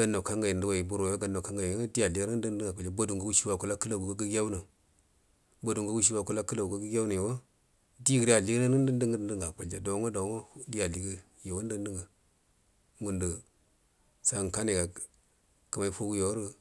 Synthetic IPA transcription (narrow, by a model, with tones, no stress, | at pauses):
a˨nːa˨ka˦ŋɡa˨ji˨n˨du˦wa˨ji˨bu˦ɾo˨ja˦ɡa˨nːa˨ka˦ŋɡa˨ji˨˦di˦ja˨li˦ɡɾə˦ə˦ŋɡa˨ka˨˦a˦bo˦du˨ŋ˨ɡu˦wu˦ʃi˦wa˨ku˦la˦kə˦la˨wu˨ɡa˦ɡə˦ɡja˦u˦na˨ | bo˦du˨ŋɡu˦wu˦ʃ̬i˦wa˨ku˦la˦kə˦la˨ɡu˨ɡa˦ɡə˦ɡʲja˦wna˨je˨wa˦ | di˦ɡi˨ɾi˦a˨li˦ɡi˦na˦nə˦n˦də˦ndə˦ŋ˦ndə˦ŋɡa˨ko˨ld͡ʒa˨do˨˦ŋo˦do˨˦ŋo˦di˦ja˨li˨ɡə˦ | je˨wa˦n˦ə˦n˦də˦ŋɡa˨ | ŋu˨ndə˨ | sa˦˨ka˦ne˨ɡa˨ | kə˨ma˦i˦po˦wu˦jo˨wa˦ɾə˦